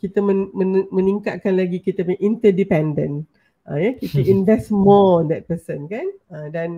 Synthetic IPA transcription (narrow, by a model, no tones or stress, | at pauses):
kit̪əməmənmə̃niŋkat̪̚kanlaɡikit̪apãʔint̪ədipɛ̃ndə̃n | ʔəjakit̪əʔinvɛstmɔɔnd̪ɛt̪̚pəsənkanədan